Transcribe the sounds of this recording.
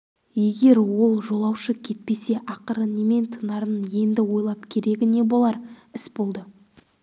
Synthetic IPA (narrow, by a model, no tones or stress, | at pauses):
je̞ɡʲe̞ɾwo̞lˠʒo̞lˠɑwʃəkʲʰe̞t̪̚pe̞se̞ʔɑqəɾəneme̞nt̪ʰənɑɾənənje̞nd̪ɪwo̞jlˠɑpkʲʰe̞ɾe̞ɡʲɪne̞bo̞lˠɑɾɪsbo̞lˠd̪ə